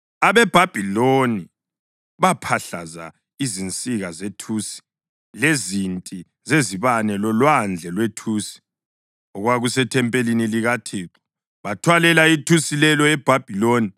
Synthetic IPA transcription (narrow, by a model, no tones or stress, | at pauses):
aβɛb̥ʱab̥ʱiloni | βapʰaɬa̰za̰ | izint͡sʼiɣazetʰuːsi̥ | lezintʼi | zeziβanɛlɔlwand͡ɮʱɛlwetʰuːsi̥ | ɔɣwaɣusɛtʰɛmpʼeliniliɣatʰeːǁɔ̥ | βatʰwalɛlaitʰusilɛlɔɛb̥ʱab̥ʱiloːni